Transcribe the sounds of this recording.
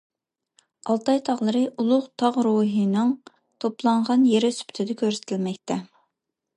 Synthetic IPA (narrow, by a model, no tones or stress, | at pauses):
ɑlˠt̪ʰɑjt̪ʰɑʁlˠəɾɨʔulˠʊʁt̪ʰɑʁɾuɦɨnɨŋ | t̪ʰoplˠɑɴʁɑnjeɾɪsy̥pʰt̪ʰɪd̪ɛkʲøɾsɪ̥t̪ʰɪlmɛkʲt̪ʰɛ